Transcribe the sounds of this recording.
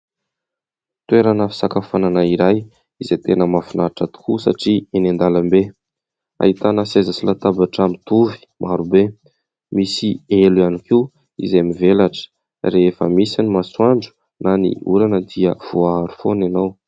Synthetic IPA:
t̪weɾanəfi̥sakafananaiɾaj | izet̪enəmafunaʈ͡ʂət̪u̥kusa̰ʈ͡ʂienand̪alambe | a̰ɦit̪anəsezasilat̪abaʈ͡ʂamit̪uvi̥mʔaɾube | misieluianiki | ḭzemivelaʈ͡ʂə̥ | reefə̰misinimaswaɳɖ͡ʐu̥ | nanḭuɾanəd̪iəv̥oaaɾu̥fonanaw

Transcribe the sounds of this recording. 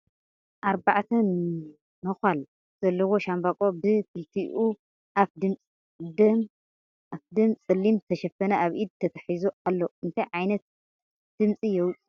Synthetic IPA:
ʔaɾbaʕt̪ʰɐn | mɐxal | z̥ɐlːɐwo̞ʃambakʼo̞bɨkʰɨlt̪ʰiʔu | ʔafd̪ɨmt͡sʼ | d̪ɐm | afd̪ɐmt͡sʼɨlːimt̪ʰɐʃɐfɐnɐʔaβʔid̪̚t̪ʰɐt̪ʰɐħizoalːoɨnt̪ʰɐjʕajnɐt̪̚ | d̪̥ɨmt͡sʼijɛwt͡sʼ

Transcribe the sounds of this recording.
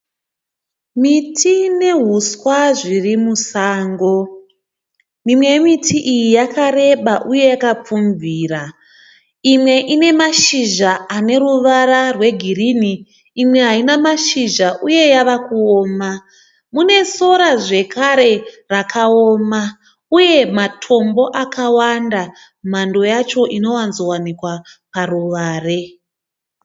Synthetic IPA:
mitʰine̞ɦuswaʐirimusaːŋɡo̞ | mimwe̞mitʰiʔijijakaɾe̞ɓaʔuje̞jakap͡fumviːra | imwe̞ʔine̞maʃiʒaːne̞ruʋaɾarwe̞ɡʱiriniː | mwe̞ɦainamaʃiʒaʔuje̞jaʋakuoːma | mune̞so̞ɾaʐe̞kʰaɾe̞ | rakʰaoma | uje̞matʰo̞mbo̞ʔakawanda | mando̞jat͡ʃo̞ʔino̞wanzo̞wanikwaparuʋaːre̞

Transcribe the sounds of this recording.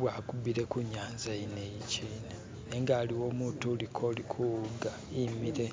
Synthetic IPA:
βwaːkubiɾe̞kuɲaːnzainejiciːne | neŋɡaːliwo̞ːmuːtulikʰo̞likʰuɡa | imiɾe̞

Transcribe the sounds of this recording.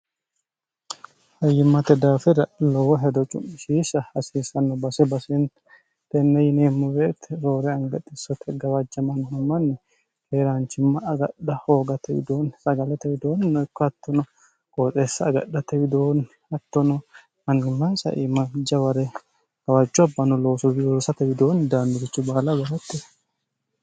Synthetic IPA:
hɐjːɪmːɐt̪ɛd̪aːfɛɾɐlɔwɐɦɛd̪ɔt͡ʃʼʊ̰mɪʃiːsɐɐsiːsɐnːɔbɐsɛbɐsɛn | t̪ɛnːɛjɪneːmːʊweːt̪ɛɾoːɾɛɐŋɡɐᶑɪsɔt̪ʰɛɡɐwɐd͡ʒɐmɐnːɐmːɐnːɪ | keːɾaːnt͡ʃɪmːɐɐɡɐ̰ɗɐhoːɡɐt̪ʰɛwɪ̰d̪oːnsɐɡɐlɐt̪ɛwɪd̪oːnnɔɪkːɔɐt̪ːɔnɔ | kʼoːt͡sʼesːɐːɡɐ̰ɗːɐt̪ɛwɪd̪oːn | ɐt̪ːɔnɔ | ɐnɪmːɐnsɐ̰ʔɪmɐd͡ʒːɐwɐɾɛ | ɡ̥ɐwad͡ʒːʊɐbːɐnɔloːsɔbɪoːsɐt̪ɛwɪd̪oːnd̪aːnːʊɡɪt͡ʃːʊbaːlɐɡɐlɐt̪ːɪ

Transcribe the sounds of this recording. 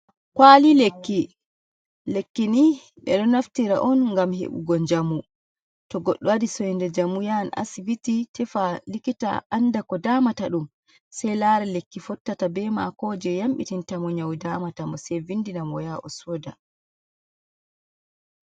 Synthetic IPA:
kwalilekːi | lekːini | ɓɛɗɔnaftiɾa̰ʔɔnŋɡamhḛɓṵɡɔɲd͡ʒamu | tɔɡɔɗːɔwadisɔjndɛd͡ʒamujana̰sivititɛfalikita̰ʔandakɔdamataɗum | sɛjlaɾɛlekːifɔtːatabɛma̰kɔːd͡ʒɛjamɓitintamɔɲawdamatambɔsɛjvindinamɔjaʔɔsɔːda̰

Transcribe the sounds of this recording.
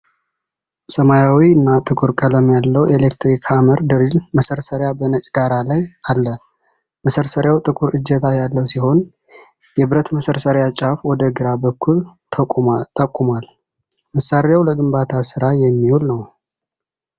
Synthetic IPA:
səmajawiɨnːat̪ʼɨkʼuɾkʼələmjalːəwelekt̪ɾikʰaməɾd̪əɾilməsəɾsəɾjabənət͡ʃʼɡaɾalajalːə | məsəɾsəɾjawt̪ʼɨkʼuɾɨd͡ʒːɛt̪ʰajalːəwsiho̞n | jɛbɨɾət̪məsəɾsəɾjat͡ʃʼafwɔd̪əɡɨɾabəkːult̪ʰət̪ʼəkʼːumal | məsːaɾjawləɡɨmbat̪ʰasɨɾajɛmːiwulnəw

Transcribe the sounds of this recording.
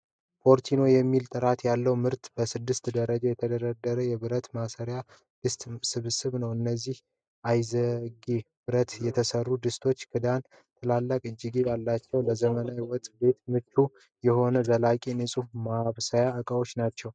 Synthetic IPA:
fo̞ɾt̪ʰino̞jɛmːilt̪ʼɨɾat̪jalːəwmɨɾt̪bəsɨd̪ːɨst̪d̪əɾəd͡ʒajɛt̪ʰəd̪əɾad̪ːəɾəjɛβɨɾət̪masəɾja | d̪̥ɨst̪ʼsɨβsɨβnəwɨnːəzːih | ʔajzəɡi | bɨɾət̪jɛt̪ʰəsərːud̪ɨst̪ʰo̞t͡ʃːkʰɨd̪an | t̪ʰəlalːəkʼɨd͡ʒːɪɡijalːat͡ʃːɛwləzəmənawɔt̪ʼbe̞t̪mɨt͡ʃːu | jɛho̞nəd̪əlakʼinɨsʼumaβsajaɨkʼəo̞t͡ʃːnat͡ʃːɛw

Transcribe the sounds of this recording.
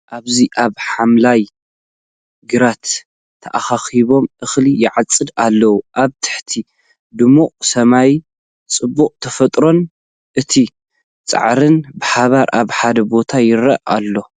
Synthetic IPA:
ʔaβziʔaβħamlaj | ɡɨɾat̪ʰː | ɐʔaxaxiβo̞mʔɨxlijɪʕat͡sʼːɨd̪alːɐwuʔaβt̪ʰɨ̥ħt̪ʰi | d̪ɨmuqʼsɐmaj | t͡sʼɨbːukʼt̪ʰɐfɐt̪ʼɾo̞n | ʔɨt̪ʰi | t͡sʼa̰ʕɾɨnbɨħaβaɾʔaβħad̪ɐbo̞t̪ʰajɪɾɐʔa̰lːo̞

